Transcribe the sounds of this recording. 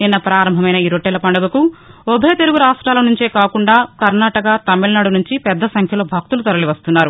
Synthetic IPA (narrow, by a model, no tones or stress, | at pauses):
ninːɐpɾaːɾɐmbʱɐmɐjnɐiːɾoʈːeːlɐpɐɳɖɐɡɐkuobʱeːt̪e̞luɡuɾaːʂʈɾaːlɐnuɲt͡ʃe̞ːkaːkuɳɖaːkɐɾnaːʈɐkat̪ɐmːilɐnaːɽunuɲt͡ʃipɛd̪ːɐsɐŋkʰjɐlo̞ːbʱɐk̚t̪ulut̪ɐɾɐliʋɐst̪unːaːɾu